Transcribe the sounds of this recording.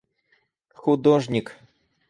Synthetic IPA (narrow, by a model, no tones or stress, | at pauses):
xʊd̪ɔʐnʲik